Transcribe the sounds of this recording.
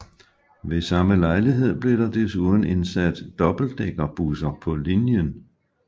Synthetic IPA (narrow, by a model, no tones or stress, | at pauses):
ʋe̝sɑ̈məlɑ̈ɪliɦe̝ð̞̰ˠb̥le̝ɾ̥ɑ̈d̥esuðˠn̩e̝nsæd̥ːɒ̽b̥l̩d̥eɡ̥ɐb̥usɐpʰɒ̽linjən